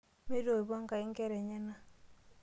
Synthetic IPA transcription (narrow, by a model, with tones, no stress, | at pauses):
me˦do˨i˨bɔ˦ŋka˨i˦ŋ˦ke˦ɾɛ˨ɲe˦na˦